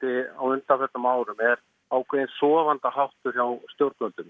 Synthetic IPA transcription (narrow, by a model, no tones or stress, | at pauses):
t̪ɪa̰wʏnt̪afɛt̪ːamaːwɾʏmɛɾ | aːwkʰvejɪnsɔːvant̪aɦawht̪ʏɾ̥jawst̪jowɾt̪œlt̪ʏm